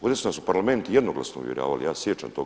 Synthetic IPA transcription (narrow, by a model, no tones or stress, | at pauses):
od̪esunasupaɾlame̞nt̪ujed̪noɡlˠa̰snoṵʋjeɾa̰ːʋa̰lḭjaːsjet͡ʃa̰mt̪o̞ɡ